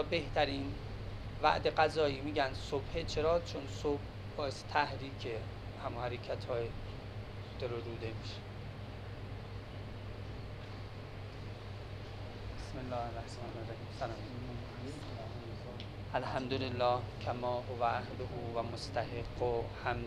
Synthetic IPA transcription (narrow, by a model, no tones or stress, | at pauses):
be̞ht̪ʰæɾiːn | væ̰ʔd̪eɢæzɒːiːmiːɟænd̪sobhet͡ʃʰe̞ɾɒːt͡ʃʰonsob̥ | bɒːese̥t̪ʰæhɾiːcʰe | hæmuhæɾecʰæt̪ʰhɒːje | d̪̥eɾoɾuːd̪emiʃe̥ | besmelːɒːherːæhsɑːnerːæhiːmfælɒːm | ʔælhæmd̪olelːɒːhcʰæmɒːɦovæʔæhloɦuːvæmost̪ʰæheɡːohæm